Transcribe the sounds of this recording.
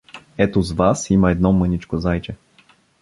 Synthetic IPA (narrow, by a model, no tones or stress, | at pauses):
ɛt̪ozvasiməɛd̪nɔmɤnit͡ʃkozajt͡ʃɛ